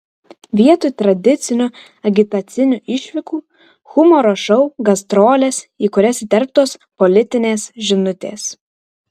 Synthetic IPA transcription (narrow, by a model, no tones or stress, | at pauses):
ʋʲiɛt̪ʊɪt̪ɾɐd̪ʲɪt̪sʲɪnʲʊ | ɐɡʲɪt̪ɐt̪sʲɪnʲʊʔɪʃʲʋʲɪkuː | xʊmɔːɾoːʃɔʊɡɐst̪ɾoːlʲeːsiːkʊɾʲɛsʲɪt̪ʲɛɾp̚t̪oːspɔlʲɪt̪ʲɪnʲeːsʒʲɪnʊt̪ʲḛːs